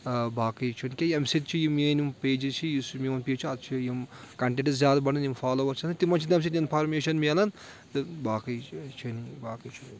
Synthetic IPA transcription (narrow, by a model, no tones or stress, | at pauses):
baːkɐjt͡ʃʰunkʲejɐmsit̪̚t͡ʃʰijiminimpeːd͡ʒit͡ʃʰijismʲiɐnpiːt͡ʃʰuɐt̪̚t͡ʃʰijimkɐɳʈeʈizzjaːd̪ɐbɐnɐnjimpʰaːloːʋɐɾt͡ʃʰɐnt̪imɐnt͡ʃʰit̪ɐmʲs̬it̪ʲinpʰɐɾmeːʃɐnmeːlɐn | t̪ɨbaːkɐjt͡ʃʰɐnibaːkɐjt͡ʃʰu